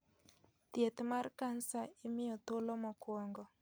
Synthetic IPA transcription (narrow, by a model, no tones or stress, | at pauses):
t̪jet̪markansaɪmɪjɔt̪olomɔkwɔŋɡɔ